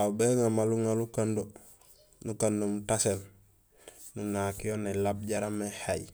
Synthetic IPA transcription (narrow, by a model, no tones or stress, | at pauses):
abeŋamaluŋalukando | nukandomutasel | nuŋakijonalab̚ɟaɾamːehaj